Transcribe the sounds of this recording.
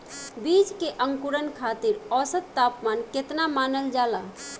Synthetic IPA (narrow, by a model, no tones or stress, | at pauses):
bid͡ʒkeʔəŋkuɾənkʰat̪iɾɔsəd̪̚t̪apmanket̪namanəld͡ʒala